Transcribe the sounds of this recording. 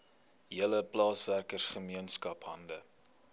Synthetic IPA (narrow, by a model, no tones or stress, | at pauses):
ɦiələplɑːsværkərsχəmiənskɐpɦɐ̰ndə